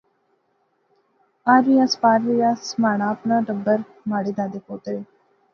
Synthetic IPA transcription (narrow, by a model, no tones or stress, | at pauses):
aːɾɾiːjaːspaːɾɾijaːsmaːɳ̃aːəpnaːɖəbəɾ | maːɽeːd̪aːd̪eːpoːt̪ɾeː